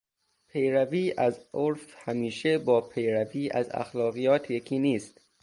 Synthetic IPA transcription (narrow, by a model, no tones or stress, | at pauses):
pʰe̞jɾæviːʔæzʔoɾfhæmiːʃebɒːpʰe̞jɾæviːʔæ̰zæ̰xlɒːɣijɒːt̪ʰjekʰiːniːst̪